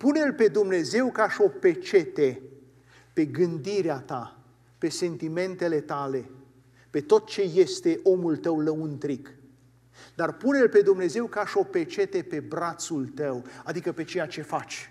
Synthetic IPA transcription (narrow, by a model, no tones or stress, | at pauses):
punelpe̞d̪umne̞ze̞wkəaʃo̞pet͡ʃe̞t̪e̞ | pe̞ɡɨnd̪iɾeat̪a | pe̞se̞nt̪ime̞nt̪e̞le̞t̪ale̞ | pet̪o̞t̪̚t͡ʃe̞je̞st̪e̞ʔo̞mult̪əwləunt̪ɾik | d̪arpunelpe̞d̪umne̞ze̞wkəaʃo̞pet͡ʃe̞t̪e̞pe̞bɾat̪sult̪əwad̪ikəpe̞t͡ʃe̞jat͡ʃe̞fat͡ʃʲ